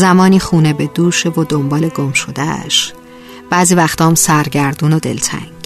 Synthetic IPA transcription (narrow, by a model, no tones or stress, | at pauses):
zæmɒːniːxuːnebe̞d̪uːʃevod̪o̞mbɒːle̞ɡomʃo̞d̪æ̰ʃ | b̥æːziːvæxt̪ʰɒːmsæɾɟæɾd̪uːnod̪e̞̰lt̪ʰæ̰ŋɡ̥